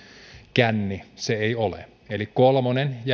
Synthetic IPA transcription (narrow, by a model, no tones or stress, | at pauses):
kænːiseeiolḛ | elikkolmonenj